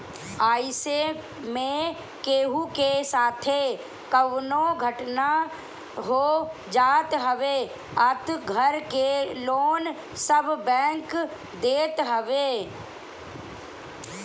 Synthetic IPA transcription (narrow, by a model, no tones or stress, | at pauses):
aːɪse | mẽ | keːɦukesaːt̪ʰe | kəwnoɡʱəʈna | ɦoː | d͡ʒaːt̪ɦəʋe | ət̪ɡʱəɾkeloːn | səbbɛ̃ːŋk | d̪eːt̪ɦəʋeː